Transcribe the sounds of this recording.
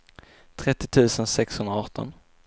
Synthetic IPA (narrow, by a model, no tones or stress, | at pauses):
t̪ʰɾɛt̪ːɪt̪ʰʉ̟ːsənsɛkshɵnd̪ɾaɑːʈːɔ̰n